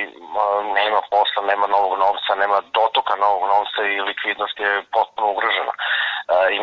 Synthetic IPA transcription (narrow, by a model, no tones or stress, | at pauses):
neːmaposlˠaneːmano̞ʋoɡnoʋt̪saneːmad̪o̞t̪okano̞ʋoɡnoʋt̪sailikʋid̪nost̪jepo̞t̪̚punouɡɾoʒena̰ | i